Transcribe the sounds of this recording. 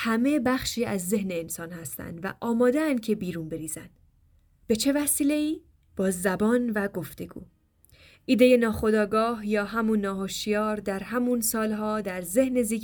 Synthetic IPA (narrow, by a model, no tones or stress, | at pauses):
hæme̞bæχʃiːæzːe̞hne̞ːnsɒːnhæst̪æ̰nd̪væ̰ʔɒːmɒːd̪eænd̪̚cʰe̞biːɾuːnbe̞ɾiːz̥ænd̪̥ | b̥e̞t͡ʃʰe̞væsiːle̞iː | b̥ɒːzæbɒːnvæɡo̞ft̪ʰe̞ɡ̥ṵː | ʔiːd̪e̞je̞nɒːxo̞d̪ɒːɡɒːhjɒːɦæmunːɒːɦoʃijɒːɾd̪æɾɦæmunsɒːlɦɒːd̪æɾze̞hne̞ziː